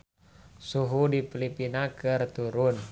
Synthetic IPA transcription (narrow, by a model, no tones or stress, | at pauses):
suɦudipilipinakɨrt̪uɾʊn